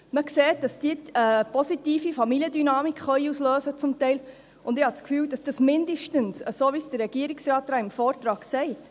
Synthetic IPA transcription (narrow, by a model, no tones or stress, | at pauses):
məkseːt̚d̥ɑsd̥iəəpɔsitiːfifɑmiliədynɑːmikχœʏusløːsət͡sʊmtɛɪl | ʊndɪhɑt͡skfyːwd̥ɑsd̥ɑsmɪndəʃtənsəsoːʋisd̥əɾːɛɡ̥iəɾiksɾɑːtɾɑːɪmfɔːɾtɾɑːɡsɛɪt